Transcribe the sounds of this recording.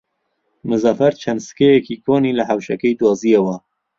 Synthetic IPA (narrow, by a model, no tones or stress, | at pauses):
mɨzɑːfɛɾt͡ʃʰɛnd̪sɨ̥kejɛkikʰoːniːlɐɦawʃɛkɛjd̪wɑːzijɛwɐ